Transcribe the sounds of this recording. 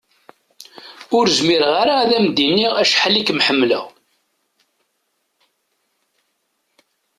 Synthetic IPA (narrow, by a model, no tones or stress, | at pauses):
ʊɾzmiɾʁaɾaæðæmd̪inːiʁæʃħalːikmħəmːlə̰ʁ